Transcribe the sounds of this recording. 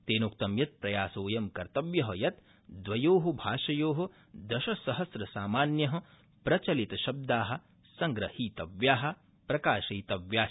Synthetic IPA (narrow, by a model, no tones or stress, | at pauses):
t̪eːnoːkt̪ɐmjɐt̪̚pɾɐjaːsoːjɐmkɐɾt̪ɐʋjɐɦɐjɐt̪ | d̪ʋɐjoːɦɐbʱaːʃɐjoːɦɐ̆ | d̪ɐʃɐsɐɦɐsɾɐsaːmaːnjɐɦɐ̆ | pɾɐt͡ʃɐlit̪ɐʃɐb̚d̪aːɦɐ̆ | sɐŋɡɾɐhiːt̪ɐʋjaːɦɐ̆ | pɾɐkaːʃɐjt̪ɐʋjaː